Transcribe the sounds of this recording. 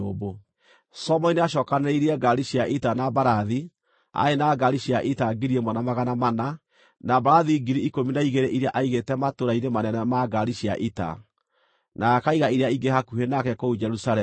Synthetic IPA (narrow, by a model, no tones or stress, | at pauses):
obo | sɔmɔineaʃ̬ɔkaneiɾiɛɡaɾiʃiaʔitanabaɾaði | a̰enaɡaɾiʃiaʔitaɡiɾiemwɔnamaɣanamana | nabaɾaðiɡiɾiikominaiɣeɾeʔiɾeaʔaiɣetɛmatoɾainemanɛnɛmaɡaɾiʃia̰ʔita̰ | nakaiɣaiɾeaiɡeɦakuhenakɛkoud͡ʒɛɾusaɾɛ